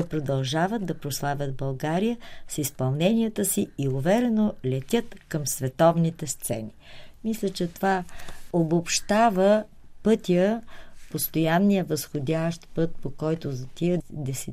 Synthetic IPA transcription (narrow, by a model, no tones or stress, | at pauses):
ɛpɾod̪ɐlˠʒavət̪d̪ɐpɾoslˠavʲəd̪̚bɐlˠɡaɾijəsispɐlˠnɛnʲijət̪əsiːʊvɛɾɛnolʲɛt̪ʲət̪kɐmsvɛt̪ɔvnit̪ɛst̪sɛ̰nimislʲət͡ʃɛt̪ovaobopʃt̪avə | pɤt̪ijəpost̪ojanːijəvɐsxod̪ʲaʃt̪pɤt̪̚pokɔjt̪ʊzt̪id̪ɛsɛ